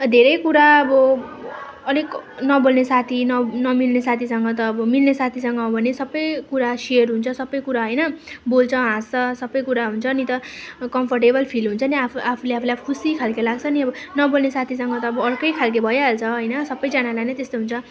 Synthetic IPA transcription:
d̪ʱeɾʌjkuɾaʌbʌ | ʌneknʌbolnesat̪ʰinʌnʌmilnesat̪ʰisʌŋɡʌt̪̬ʌːbʌmilnesat̪ʰisʌŋɡʌbʱʌnesʌbːʌjkuɾaseʌrɦunt͡sʰʌsʌbːʌjkuɾaɦʌjnʌbolt͡sʰʌɦãst͡sʌsʌbːʌjkuɾaɦunt͡sʰʌnit̪ʌkʌmpʰʌrʈebʌlpʰilɦunt͡sʰʌniaapʰuleapʰlejkʰusikʰalkelaɡt͡sʰʌniʌbʌnʌbolnesat̪ʰisʌŋɡʌt̪ʌːbʌʌrkʌjkʰalk̬ebʱʌjaɦelt͡sʰʌɦʌjnʌsʌbːʌjd͡zanalanet̪est̪oɦunt͡sʰʌ

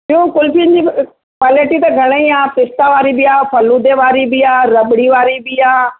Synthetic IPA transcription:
iɦũkʊlfijənd͡ʑi | paːləʈit̪ɐɡʱɐɽ̃əiaːpɪst̪aʋaːɾibɪaːpʰɐlud̪eʋaːɾibɪaːɾɐɓɪɽiʋaːɾibiaː

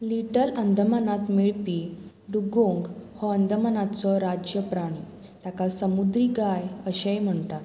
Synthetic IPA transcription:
liʈəɾənd̪ʱəmanat̪miɭpi | ɖuɡõŋɡhɔənd̪ʱəmanat͡sɔɾad͡ʑjəpɾaɽ̃i | t̪jakasəmud̪ɾiːɡajəɕajm̤əɳʈa

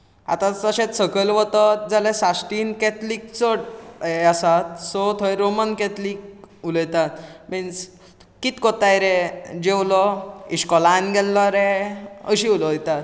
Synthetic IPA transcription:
a̰t̪ãt͡səɕẽt̪səkəlʋət̪əd͡zalesasʈinkɛt̪liːk̚t͡səʈeasat̪sɔt̪ʰɔeɾomənkɛt̪lik̚uləjt̪at̪mins | kit̪kɔt̪ajɾed͡ʑewlɔiɕkɔlanɡɛlːɔɾeəɕiuləjt̪at̪

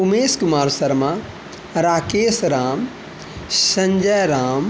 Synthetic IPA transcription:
umeːskumaːɾsɐɾma | ɾaːkeːsɾaːm | sɐ̃ɲd͡ʒɐjɾaːm

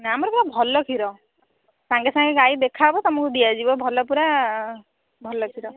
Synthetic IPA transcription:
naamɔɾpuɾabʱɔlɔkʰiɾɔ | saŋɡesaŋɡeɡaid̪ekʰabɔt̪ɔmɔkud̪iad͡ʒibɔbʱɔlɔpuɾa | bʱɔlɔkʰiɾɔ

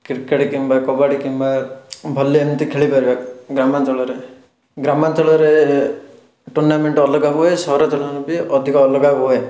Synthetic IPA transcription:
kiɾkeɽikimbakɔbaɽikimbabʱɔliant̪ikʰeɭipaɾibakɡɾamant̪ɔɭɔɾe | ɡɾamant̪ɔɭɔɾe | ʈuɾnameɳʈɔlɔɡabuɦesɔɦɾɔt̪ɔlɔnubiɔd̪ʱikɔːlɔɡabuɦoe

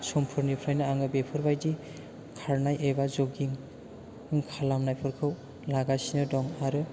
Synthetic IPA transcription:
sɔmpʰɯɾnipʰɾajnɯaŋɯbepʰɔɾbajdi | kʰaɾnajʔebazoɡiŋ | ŋkʰalamnajpʰɯɾkʰɯw | laɡasinɯdɔŋaɾɯ

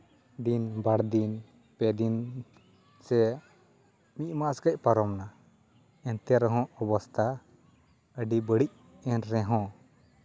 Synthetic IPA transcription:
d̪inbaɽd̪in | pɛd̪in | sɛ | miʔ̚maʔskac̚ˀpaɾɔmna | ɛnt̪ɛaɾɛɦɔ̃ɔbɔst̪ʰa | əɖibəɽic̚ | ɛnɾɛ̃ɦɔ̃

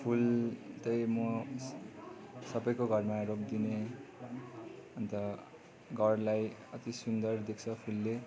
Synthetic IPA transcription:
pʰult̪ʌjmʌ | sʌbʌjkoɡʱʌrmaɾok̚d̪ine | ʌnt̪ʌ | ɡʱʌrlajʌt̪isund̪ʌrd̪ek̚ʰt͡sʰʌpʰulːe

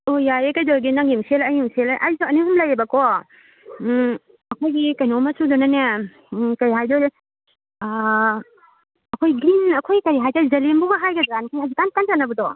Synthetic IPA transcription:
ojajekajdɔɾɡinaŋimselajumselaʔajsuɐniɦumlajebakɔ | ɐkʰojɡikɐjnɔmasudɔnana | kɐɾiɦajdɔd | ɐkʰojɡɾinɐkʰojikɐɾiɦajdazɐlimbuɡaɦajɡadɾankʰajɦazikankanzanːɐbɯdɔ

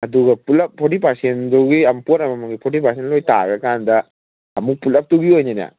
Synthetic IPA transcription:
ɐduɡɐpulɐp̚pʰːotipasenduɡiɐmpoɾɐmɐmɐŋɡipʰotipasenlojta̰ɡɐkandɐː | muk̚pulɐp̚tuɡiojnena̰

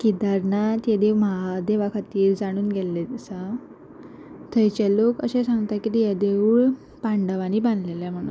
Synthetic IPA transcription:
kid̪aɾnat̪jad̪eʋmaɦad̪eʋakʰat̪iːɾd͡zaɽ̃uːnɡɛlɛsa | t̪ʰəjt͡ɕɛlokəɕɛ̃sãŋɡt̪akit̪ijad̪euɭ | paɳɖəʋañiːband̪leljɛm̤əɽ̃ṵːn

